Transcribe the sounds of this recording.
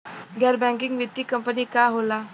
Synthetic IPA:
ɡʱaɾbɛ̃ŋkiŋɡʋit̪ːiːkəmpəniːkaɦola

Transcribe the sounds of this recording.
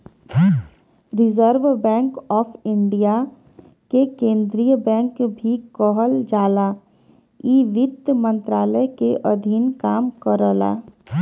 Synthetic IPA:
ɾɪzəɾʋbɛ̃ːŋkɔːpʰɪɳɖija | kekẽːnd̪ɾijəbɛ̃ːŋkbʱikɔɦəld͡ʒaːla | iːʋɪt̪mə̃nt̪ɾaːləjkeʔəd̪ʱinkaːmkəɾəla̰ː

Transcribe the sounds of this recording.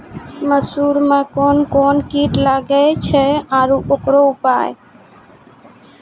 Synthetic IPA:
məsuːɾmãːkoːnkoːnkiːʈlaɡəet͡ʃʰeaːɾuʔokɾoʊpaːḛ

